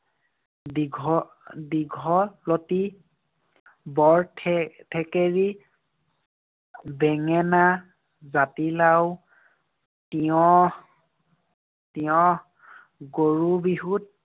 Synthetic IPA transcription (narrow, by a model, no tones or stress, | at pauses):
iɡʱɔ | diɡʱɔploti | bɔɹtʰtʰɛkeɹi | bɛŋɛna | zatilaw | tiɔ | tiɔ̃ | ɡoɹubiɦut̚